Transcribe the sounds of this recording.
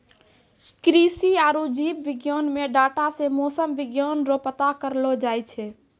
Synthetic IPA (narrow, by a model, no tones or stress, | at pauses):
kɾisiaːɾud͡ʒiːbʋɪɡjoːnmeɖaːʈasemoːsəmʋɪɡjoːnɾopət̪akəɾlod͡ʒajt͡ʃʰɛ